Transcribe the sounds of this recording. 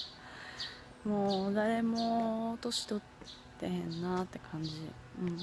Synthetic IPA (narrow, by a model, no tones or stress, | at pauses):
moːd̪aɾe̞mot̪o̞ɕi̥t̪o̞t̪ː | eɦẽ̞nːat̪ːe̞kʰãɲ̟d͡ʑi | ɯ̟̃ɴ